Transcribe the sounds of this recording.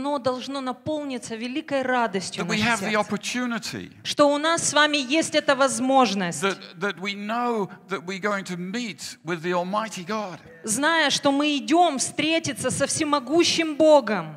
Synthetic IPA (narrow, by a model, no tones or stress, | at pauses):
no̞d̪ɐlˠʐno̞nɐpo̞lˠnʲɪt̪səvʲɪlʲikəjrad̪əsʲtʲjʊəwiɨvðiɑpə˞tʰʉnɨɾḭʂt̪o̞ʊnasːvamʲɪjesʲtʲɛt̪əvɐzmo̞ʐnəsʲðɨt̪̚ðɨt̚winoʊðɨt̚wiɡoʊɪ̃ŋtʰɨmit̚wɪðiɔlˠmaɪɾiɡɑd̥ | znajəʂt̪o̞mɨɪdʲo̞mfst̪ɾʲetʲɪt̪sːəsəfsʲɪmɐɡuɕːɪmbo̞ɡəm